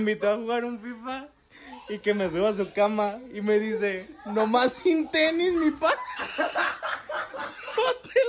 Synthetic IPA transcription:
mbit̪oafuɣaɾũfifɐ | ikemezɣɔzukamaimeðiz̬enõmasĩnt̪eniznĩpa | pɔt̪e

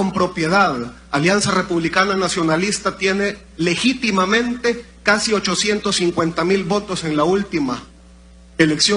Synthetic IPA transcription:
ompɾo̞pje̞ð̞að | aljansare̞puβ̞likananasjo̞nalist̪at̪je̞ne̞ | le̞xit̪imamẽ̞nt̪e̞ | kasio̞t͡ʃo̞sje̞nt̪o̞sːiŋkwe̞nt̪amilβo̞t̪o̞se̞nlault̪ima | ele̞ksjo

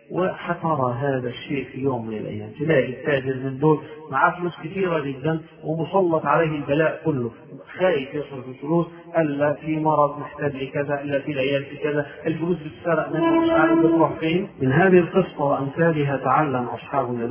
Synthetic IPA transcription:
wɪħat̪ɑɾˤɑɦaːðaʃːeːʔfijoːmːɪnɪ̰lʔa̰jːa̰ːmfɪlaːʔɪt̪ːaːd͡ʒɪɾmɪnd̪oːlmaʕafʊluːskɪθiːɾad͡ʒɪd̪ːan | wɪmʊsˤɑlːɑt̪ˤʕaleːhɪlbalaːʔkʊlːʊ | xaːjɪfjɪsɾʊħɪlfʊluːs | ʔɪlːafimɑɾˤɑd̪ˤnɪħt̪aːd͡ʒlɪkɪzaʔɪlːafilʕɪjaːlfikɪðaʔɪlfʊluːsbɪt̪saːɾˤːɪʔmɪnɪʃʕaːlɪbɪsˤːɑħfiːnmɪnɦaːðɪhɪlqɨsːˤɑwɪʔamθaːlɪɦat̪aʕalːamʔɑ̰sˤħɑːbʊal

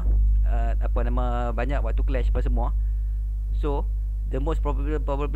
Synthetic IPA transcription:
ə | apanãmã | baɲakwaʔ̚t̪uklɛʃpasəmũa | so | dəmospɾɔbə | pɾɔpəb

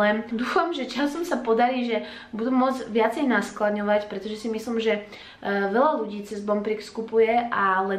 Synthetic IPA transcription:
ɛd̪uːfamʒɛt͡ʃasɔmsapɔd̪aɾiːʒɛ | bud̪umːʊɔd͡zʋɪat͡sɛjnasklaɲɔʋacpɾɛt̪ɔʒɛsimisliːmʒɛ | ʋɛlaluɟiːt͡sɛzbɔmpɾikskupujɛʔalɛ

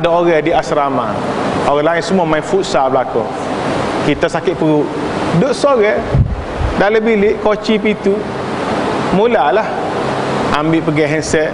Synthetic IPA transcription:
adaoɣɛdiasɾama̰ | oɣɛlaɪnsəmuamaɪnfut̪̚sabəlako̰ | kit̪asakɪt̪̚pəɣuʔ | doʔsoɣɛ | daʔləbilɪʔkot͡ʃip̬it̪u | mulalah | ambɪʔpəɡɛʔɦɛnsɛt̪̚

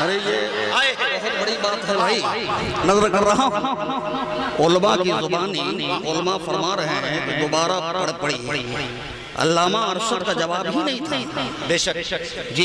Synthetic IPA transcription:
ɐɾeje | bɐɦʊt̪bɐɽiɓaːt̪ɦɐɾɐɦi | nɐzəɾkɐɾɐɦã | olmãlzʊbaːniioːlmãfɐɾmãɾɐɦɛ̃d̪oːbaːɾapɐɽpɐɽiːiː | ɐ̰lːaːmãɐɾsət̪kʰad͡ʒɐʋaːbɦinɐĩt̪ʰaĩbeːʃə | d͡ʑi

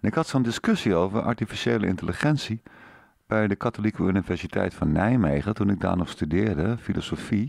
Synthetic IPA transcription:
nɪkɦɑtsondɪskɵsiowvərʔɑ̰ɹtifiʃejlə̰ɪ̰ntəliχɛnsi | b̥ɛjdəkatolikəynivɛɹsitʰɛ̰jtfɑnːɛjmejχətunɪɡ̚da̰ːɹnɔχstydɪːɹdəfilosofi

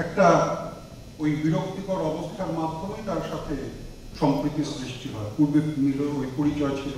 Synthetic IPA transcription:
ɛk̚ʈa | ojbiɾok̚t̪ikɔɾɔbost̪ʰaɾmad̪ʱːomet̪aɾʃat̪ʰe | ʃɔmpɾit̪ːisɾiʃʈiɦɔepuɾbeniɾojpoɾit͡ɕɔet͡ɕʰil

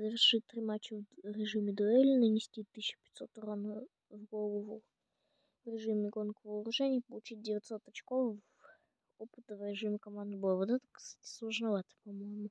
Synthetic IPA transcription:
vʲɪrʂɨt̚ʲt̪ɾʲimat͡ɕːɪvɾʲɪʐɨmʲɪd̪ʊɛlʲɪnənʲɪsʲtʲit̪ːɨɕːɪ̥pʲɪ̥t̪ʲso̞t̪ʊɾonə | vɡolˠəvʊ | vɾʲɪʐɨmɪɡo̞nkəvəɾʊʐɛnʲɪjpəlˠʊt͡ɕit̚ʲdʲɪvʲɪt̪ʲso̞t̪ɐt͡ɕkof | opɨt̪əvɾʲɪʐɨmʲɪkɐmand̪ɨbɨlˠavot̪ɛt̪ə̥ksslˠəʐnɐvat̪ə̥pɐmo̞jmʊ

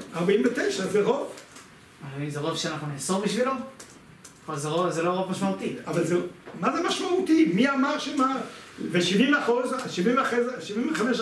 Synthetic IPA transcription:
aʁbaimvet̪ejʃazeʁo̞v | aoimzeʁovʃeanaχnunisodbiʃvilan | kolzeʁovzeloʁovmaʃmaut̪iavalzemazemaʃmaut̪imiamaʁʃemaveʃivimveaχosʃivimvaχezʃivimveχameʃ

